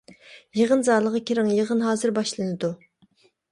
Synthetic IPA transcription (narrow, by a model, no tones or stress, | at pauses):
jeʁənzɑːlˠəʁɑkʲeɾɪŋjeʁənɦɑːzɨɾbɑʃlˠɨnɨd̪u